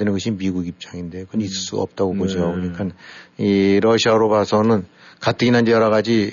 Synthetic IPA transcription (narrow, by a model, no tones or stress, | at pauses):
enɯnɡʌɕʰinmiɡuɡip̚t͡ɕ͈aŋinde̞okɯʌnis͈ɯɭs͈uɡa̰ʌp̚t͈aɡokod͡ʑiɡaboɲik͈aniɾʌɕʰiaɾobasʰʌnɯn | kat͈ʰɯɡinand͡ʑejʌɾʌɣad͡ʑi